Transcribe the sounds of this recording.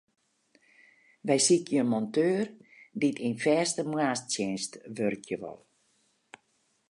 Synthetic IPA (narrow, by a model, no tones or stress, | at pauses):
ʋɛjsikʰjəənmɔntʰøːrditinfɛːstəmwaːstsjɛnstʋørkʰjəʋɔ̰lˠ